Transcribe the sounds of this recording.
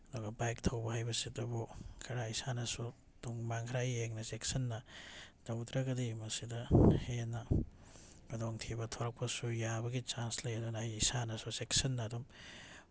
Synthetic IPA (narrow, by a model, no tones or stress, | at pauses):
doɡɐbajk̚tʰɐwbɐɦajbɐsidɐbukʰɐɾaisanɐsu | tuŋmaŋkʰɾajeŋnɐseksɐnːɐd̥awdɾɐɡɐdimɐsidɐhenɐ | kɐdoŋtʰibɐtʰoɾɐk̚pɐsujabɐɡit͡ʃanslɐjɐdunaijisanɐsuseksɐnːɐːdum